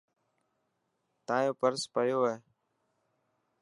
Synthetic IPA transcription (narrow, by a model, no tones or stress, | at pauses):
t̪ãːjõːpəɾspəjoːɦeː